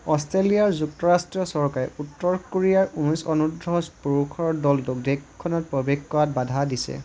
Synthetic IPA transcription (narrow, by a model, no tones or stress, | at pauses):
ɔstɹelijaɹzuktɔɹastɹiɔsɔɹkaɹɛ̰utːɔɹkoɹijaɹunisɔnudɹɔspuɹukʰɔɹdɔltukdekʰːɔnɔt̚pɹɔbexkɔat̚badʱadisɛ̰